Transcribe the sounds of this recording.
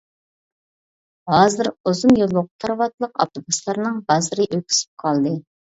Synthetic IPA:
ɦɑːzɪɾozumjollˠːʊʁʊt̪ʰɑɾvɑt̪lˠəqɑ̰p̚t̪ʰubuslˠɑɾnɨŋbɑzɨɾɨʔøkʲʰy̥sɪ̥p̚qʰɑlˠd̪ɨ

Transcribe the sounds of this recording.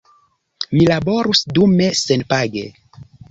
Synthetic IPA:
milabo̞ɾusdume̞senpaɡe̞̰

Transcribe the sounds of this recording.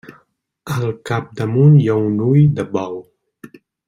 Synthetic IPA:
alkap̚d̪amunjawnujd̪əbaw

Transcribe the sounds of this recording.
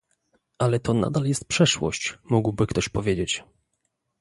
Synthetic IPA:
ʔalɛt̪ɔna̰d̪aljɛst̪̚pʂɛʂwɔ̰ɕt͡ɕmuɡwbɘkt̪ɔɕpɔvʲjed͡ʑet͡ɕ

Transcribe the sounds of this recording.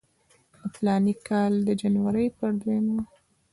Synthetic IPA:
əflɑnikːɑld̪əd͡ʒanwaɾəjpəɾd̪enwa

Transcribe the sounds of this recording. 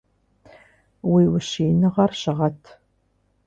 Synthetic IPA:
wiːwʊɕiːnɨʁɐrɕɪʁɐtʰ

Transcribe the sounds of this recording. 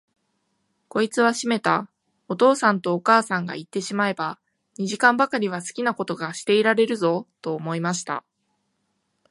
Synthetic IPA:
ko̞it͡sɨβaɕime̞t̪a | o̞t̪o̞ːsãnt̪o̞ːkaːsãŋɡa̰it̪ːe̞ɕimae̞ba | ɲ̟iʑikãmbakaɾʲiβ̞asɨ̥kʲinako̞t̪o̞ɡaɕi̥t̪e̞iɾaɾe̞ɾɯ̟zo̞t̪o̞ːmo̞imaɕi̥t̪a̰

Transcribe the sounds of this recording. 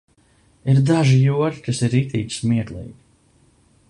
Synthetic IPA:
iɾd̪aʒijuɔɾkasiɾit̪iːt̪ʲsmiɛk̪lˠḭːɡʲi

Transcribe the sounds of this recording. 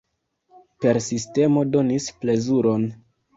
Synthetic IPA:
pe̞ɾsiste̞mo̞do̞nisple̞zuɾo̞n

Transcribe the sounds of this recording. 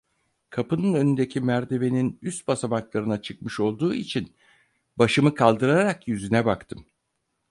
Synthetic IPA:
kʰapɯnɯnø̞nynd̪e̞cʰimæɾd̪eβe̞ninyst̪̚basamaklˠaɾɯnat͡ʃʰɯk̚mɯʃo̞lˠd̪uːit͡ʃʰin | baʃɯmɯkʰalˠd̪ɯɾaɾakjyzynɛbakt̪ʰɯm

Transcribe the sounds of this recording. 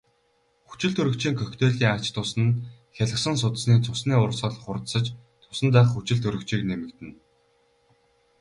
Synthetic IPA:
xu̥t͡ɕɪ̆ɮt̪ʰɵɾɵ̆kt͡ɕiːŋkʰœxt̪ʰeːɮiːŋat͡ɕt̪ʰʊsə̆nxʲaɮə̆ksə̆ŋs̬ʊt̪̆sniːt͡sʰʊsniːʊrsə̆ɮχʊrt̪sə̆t͡ɕt͡s̪ʰʊ̥sə̆nt̪æːχxut͡ɕɪ̆ɮt̪ʰɵɾɵ̆kt͡ɕiːknemɘ̆kt̪ɘ̆n

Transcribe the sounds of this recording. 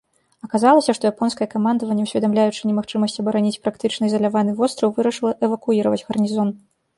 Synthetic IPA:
ɐkazalˠɐsʲɐʂt̪ɔjapɔnskɐjɛkamand̪ɐvɐnʲːɛwsʲvʲɛd̪amlʲajut͡ʂɨnʲɛmaxt͡ʂɨmɐsʲt͡sʲɐbɐɾanʲit͡sʲpɾakt̪ɨt͡ʂnɐizɐlʲavanɨvɔst̪ɾɐwvɨɾɐʂɨlˠɐʔɛvɐkuiɾɐvɐt͡sʲɣɐrnʲizɔn

